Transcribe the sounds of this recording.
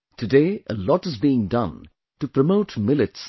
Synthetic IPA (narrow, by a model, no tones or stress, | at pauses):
tʰɨdeːəlɔʈɨzbiɪ̃ŋdʌ̃n | tupɾəmoʊtmɪlɨts